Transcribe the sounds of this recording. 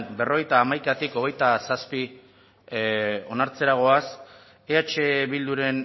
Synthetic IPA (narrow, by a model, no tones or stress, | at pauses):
nbe̞ro̞e̞jt̪aːmajkat̪iko̞ɣ̞e̞jt̪asaspi | o̞naɾt͡se̞ɾaɣ̞o̞as | eat͡ʃe̞βild̪uɾe̞n